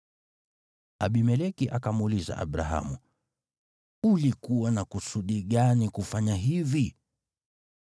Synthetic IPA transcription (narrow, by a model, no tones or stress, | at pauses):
aɓimɛlɛkiʔakamuliza̰ʔa̰ɓɾa̰ɦa̰mu | ulikuwanakusuɗiɠanikufaɲaɦivi